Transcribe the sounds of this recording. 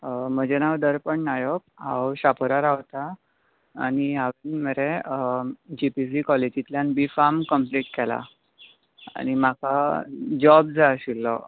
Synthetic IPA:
məd͡ʑɛnawd̪əɾpəɳnajɔk̚ɦawɕapʰəɾaɾaʋt̪a̰ː | ɽ̃iɦaʋinməɾe | d͡ʑipis̬ikɔlid͡ʑit̪ljanbifamkəmpliʈ̚kɛla̰ | a̰ñim̤akʰad͡ʑɔbd͡zaɕilːɔ

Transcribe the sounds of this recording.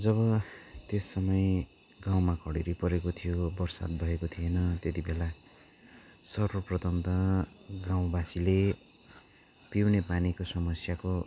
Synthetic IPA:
d͡zʌβʌt̪esːʌmʌj | ɡaw̃makʰʌɽeɾipʌɾekot̪ʰijobʌrsa̰t̪̚bʱʌekot̪ʰijenʌt̪et̪ibela | sʌrwʌprʌt̪ʌnt̪ʌɡãw̃basile | piwnepanikosʌmʌsjako

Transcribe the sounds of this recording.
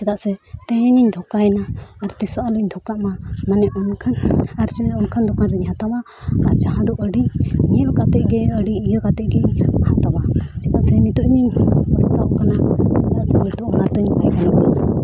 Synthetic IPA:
t͡ʃɛt̪aʔsɛt̪ɛ̃ɦɛɲiɲd̪ʱɔkaɛnaːɾt̪isɔʔaluɲd̪ʱɔkaʔmamanɛʔɔnkʰanaɾt͡ʃɛnɛʔɔnkʰand̪ɔkʰanɾiɲɦat̪abaː | ɾt͡ʃaɦãd̪ɔʔəɽiɲɛlkat̪ɛʔɡɛəɖiijəkat̪ɛʔɡɛɲhat̪awat͡ʃɛt̪aʔsɛmit̪uʔɲiɲpɔst̪aʔkanat͡ʃɛt̪aʔsɛmit̪ɔʔɔnat̪əɲpajbɛlɔʔkana

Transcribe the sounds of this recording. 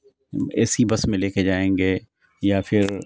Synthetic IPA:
ɛ̰ːsibɐsmẽleːked͡ʒaːẽːŋɡeː | jafʰɪɾ

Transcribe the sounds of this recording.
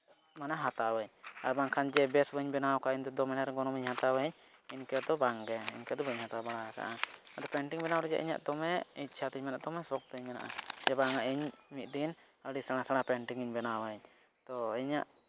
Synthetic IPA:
manaɦat̪awəɲa̰ɾbaŋkʰand͡ʒɛbɛsbəɲbɛnawkaʔiɲd̪ɔd̪ɔmɛnaɾɛɡɔnɔmiɲhat̪awəɲ | inkɛd̪ɔbaŋɡɛḭɲkɛd̪ɔbəɲhat̪abaɽaaka̰ʔaad̪ɔpɛɳʈiŋbɛnawɾɛd͡ʒa̰ʔḭɲa̰ʔd̪ɔmɛit̪̚t͡ʃʰat̪əɲmɛnaʔd̪ɔmɛsɔk̚t̪əɲmɛna̰ʔa̰d͡ʒɛbaŋaʔiɲmit̪̚ˀd̪in | əɽisaɽ̃asaɽ̃apɛɳʈiŋiɲbɛnawəɲ | t̪ɔiɲa̰ʔ

